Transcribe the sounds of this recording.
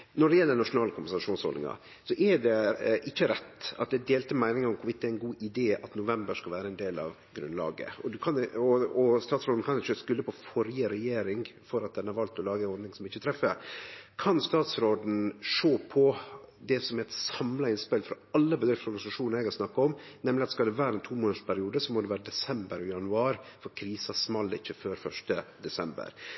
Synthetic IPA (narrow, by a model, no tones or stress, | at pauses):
nɔɖɛjɛlːəɳɑʂʊnɑːləkʰʊmbənsɑʂuːnshɔ̰lɪ̰ŋɑ̰ | sɔʔɛɖɛʔɪçːəɾɛt̪ːɑt̪̚d̪ɛd̪eːlt̪əmæɪnɪŋɑɔmkʰʊɾʋɪt̪d̪ɛæɾɪnɡuːʔɪd̪eːɑt̪nʊʋɛmbəʂkɑlʋæːɾəɛnd̪eːlɑ̰ʋ | ɡɾʉ̰nlɑ̰ːɡə̰ɔd̪ʉkʰɑnɔɔst̪ɑːt̪sɾoːd̪n̩kʰɑnɪçːəskʉlːəpʰɔfɔɾjəɾɛjeːɾɪŋfɔɾɑt̪̚d̪ɛnəhɑɾʋɑlt̪ɔlɑːɡəhɔd̪nɪŋsɔmɪçːət̪ʰɾɛfːəɾkʰɑnst̪ɑːt̪sɾoːd̪n̩ʂoːpʰɔd̪ɛsɔmɛɪt̪sɑmlɑɪnspɛlfɾɔ | ɑlːəbəd̪ɾɪft̪əɔɾɡɑnɪsɑʂuːnəɾɛɡhɑɾsnɑkːɑɔmnɛmlɪɑt̪skɑld̪ɛʋæːɾəɛnt̪ʰuːmoːnəʂpʰæɾɪuːd̪əsɔmɔd̪ɛʋæːɾəd̪ɛsɛmbəɾɔjɑnʉɑːɾfɔɾkʰɾiːsɑsmɑlːɪçːəføːɾfœʂʈəd̪ɛsɛmbə̰ɾ